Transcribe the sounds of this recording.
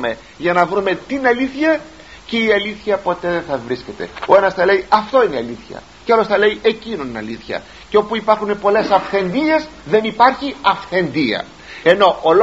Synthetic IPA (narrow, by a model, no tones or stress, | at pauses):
me̞ | ʝɐnɐvɾume̞t̪inɐliθçɐ | ceiɐliθçɐpo̞t̪e̞ðenθɐvɾisce̞t̪e̞̰o̞e̞nɐsθɐleiʔɐft̪o̞ineiɐliθçɐ̰ | ceɐlo̞sθɐle̞iʔe̞cinoninɐliθçɐ̰ | ceo̞puipɐɾxunepo̞le̞sɐfθe̞nd̪ie̞zðe̞nipɐɾçiɐfθe̞nd̪iɐ̰ | e̞no̞ʔol